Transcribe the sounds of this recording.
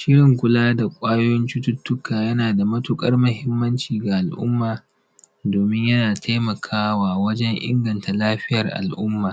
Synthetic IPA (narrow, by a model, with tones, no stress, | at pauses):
ʃɪ˦ɽɪ˨ŋkʷʊ˦laː˦da˨kʷʼaː˦jo˦jɔ˦nt͡ʃɪ˦tʊ˦tːʊ˦kaː˨jɐ˦naː˨da˨mɐ˦tʊ˦kʼɐ˦rmʊ˨hɪ˦mːɐ˦nt͡ʃiː˨ɡa˨ʔa˨lʔʊ̰˦mːaː˨ | doː˨mɪ˦ɲjɐ˦naː˨tʰa˦jmɐ˨kʰaː˦waː˨wɐ˦d͡ʒɛ˦ŋʔɪ̰˦ŋɡɐ˨nta˨laː˦ɸɪ˦jɐ˨rʔa̰˨lʔʊ˦mːaː˨